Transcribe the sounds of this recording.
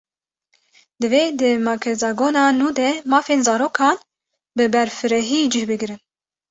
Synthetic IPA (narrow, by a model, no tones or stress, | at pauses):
d̪ɨveːd̪ɨmɑkʰɛzɑɡoːnɑːnuːd̪ɛmɑːfeːnzɑːɾoːkʰɑːn | bɨbɛɾfɨɾɛɦiːd͡ʒɨhbɨɡɾɨn